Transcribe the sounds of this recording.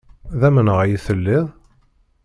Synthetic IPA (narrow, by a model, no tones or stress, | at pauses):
ðæmənəʁæjiθəlːɪðˤ